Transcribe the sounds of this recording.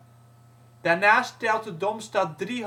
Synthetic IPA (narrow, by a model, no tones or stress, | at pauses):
d̥aɹnaːstɛlˠtədɔmstɑt̚driɦ